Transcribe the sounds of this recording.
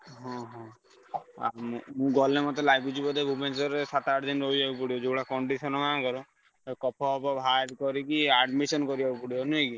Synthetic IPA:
ɦɔ̃ɦɔ̃ | a̰mumũɡɔlnemɔt̪elaɡikut͡ʃʰibɔd̪ebʱubensɔɾesat̪aʈd̪inɾoid͡ʒaupɔɽiɔd͡ʒouɽakɔɳɖisɔnɔmakɔɾɔ | kɔpʰɔbɔbʱaɾkɔɾikiaɖmisɔnkɔɾid͡ʒaupɔɽiɔnuẽki

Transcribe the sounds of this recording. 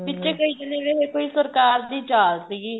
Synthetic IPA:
pɪtːt͡ʃeːkəiːd͡ʒ̪ɪneːʋeeːkoːiːsəɾkaːɾd̪iːd͡ʒaːlsɪɡiː

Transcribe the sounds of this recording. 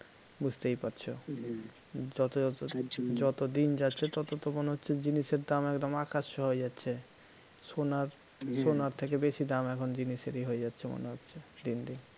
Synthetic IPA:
bud͡ʑt̪ejpaɾt͡ɕʰo | d͡ʑɔt̪o | d͡ʑɔt̪od̪ind͡ʑatːɕʰet̪ɔt̪ot̪omoneɦotːɕʰed͡ʑiniʃeɾd̪amɛkd̪omakaʃːoɦoed͡ʑatːɕʰe | sonaɾ | ʃonaɾt̪ʰekebeʃid̪amɛkʰond͡ʑiniʃeɾiɦoed͡ʑatːɕʰemo̰neɦotːɕʰed̪ind̪in

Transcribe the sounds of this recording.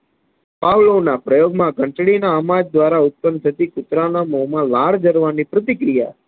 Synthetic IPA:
paʋlonapɾəjoɡmãɡʱə̃ɳʈɽinaəmad͡ʒd̪ʋaɾaʊt̪̚pənd̪sʰət̪ikʊt̪ɾanamoɦmãlaɽd͡ʒəɾʋanipɾət̪̬ikɾija̰

